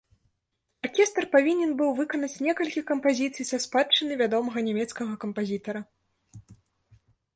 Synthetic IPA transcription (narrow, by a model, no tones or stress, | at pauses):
arkʲɛst̪rpavʲinʲɛnbɨwvɨkɐnɐt͡sʲnʲɛkɐlʲkʲikɐmpazʲit̪sɨjsɐspatt͡ʂːɨnɨvʲad̪ɔmɐɣɐnʲɛmʲɛt̪skɐɣɐkɐmpazʲit̪ɐɾɐ